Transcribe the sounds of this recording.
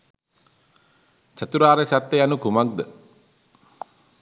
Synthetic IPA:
t͡ʃat̪uɾaːɾesat̪ːejanukumak̚d̪ə

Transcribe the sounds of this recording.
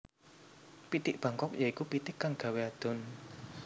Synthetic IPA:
pit̪ɪk̚b̥ä̤ŋkɔk̚jaikupit̪ɪkːaŋɡ̥ä̤wead̪̥ɔ̤n

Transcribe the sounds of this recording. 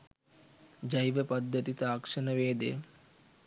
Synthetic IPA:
d͡ʒɐjʋəpɐd̪ːət̪it̪aːkʂɐnəʋeːd̪ḛ

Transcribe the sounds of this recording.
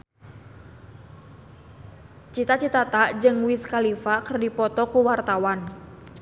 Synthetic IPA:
t͡ʃit̪at͡ʃit̪at̪aʔd͡ʒɨŋwiskalifakərdipɔt̪ɔkuwart̪awan

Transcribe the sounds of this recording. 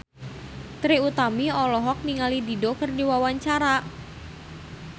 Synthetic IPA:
t̪ɾiut̪amiɔlɔɦɔk̚niŋalididɔkərdiwawaɲt͡ʃaɾa

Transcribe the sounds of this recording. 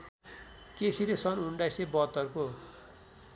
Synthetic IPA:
kesiɾesʌnuɳɖasebʌɦt̪ːʌrko

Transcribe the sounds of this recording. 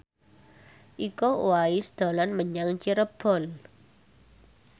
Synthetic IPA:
ʔikowaisd̪̥o̤lanməɲaŋt͡ʃiɾəb̥ɔl

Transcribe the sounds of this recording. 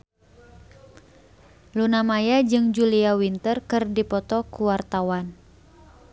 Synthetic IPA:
lunamajad͡ʒɨŋd͡ʒuliawint̪ərkɨrdipɔt̪ɔkuwart̪awan

